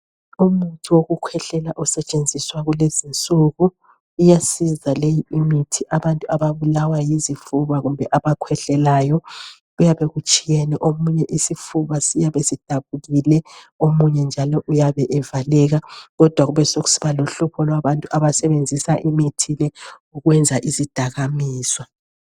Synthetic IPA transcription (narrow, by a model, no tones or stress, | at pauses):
umutʰiwoɣukʰwɛɬɛlaʔusɛt͡ʃʼend͡zʱiswaɣulezint͡sʼuɣuː | jasizalejiimitʰiʔaβantʼuaβaβulawajizifuβaɣumbʱɛʔaβakʰwɛɬɛlajɔ | ujaβeɣut͡ʃʼijɛnɛʔomuɲɛʔisifuβasijaβesid̥ʱaβuɣilɛ | omuɲɛnd͡ʒʱalɔʔujaβɛʔɛvalɛɣaɣɔd̥ʱwaɣuβɛsoɣu̥si̥βaloɬupʰɔlwaβantʼuʔaβasɛβend͡zʱisaʔimitʰilɛ | uɣwɛnd͡zʱaʔizid̥ʱaɣamiːswa